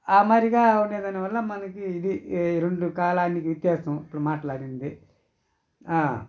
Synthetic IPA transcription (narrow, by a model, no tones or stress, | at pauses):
aːmaːɾiɡaːuneːd̪ɐniʋɐlːɐmɐnɐkiːd̪iɾeɳɖukaːlaːnikiʋit̪jaːsɐmipːuɽumaːʈɐlaːɽind̪i | aː